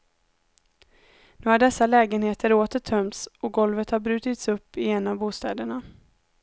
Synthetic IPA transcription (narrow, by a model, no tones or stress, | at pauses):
nʉːhaɖɛsːalɛːɡənheːt̪ʰəɾoːt̪əʈʰœmt̪sɔɡɔlvət̪haɾbɾʉ̟ːt̪ɪt̪sɵpːɪɛnːavbuːst̪ɛːd̪əɳa